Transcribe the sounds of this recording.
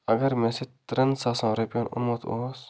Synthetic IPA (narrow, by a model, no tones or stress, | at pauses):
ɐɡɐɾmẽset̪ɾɐnsaːsãːɾepjonʊ̰nmoːt̪ʰo̰ːs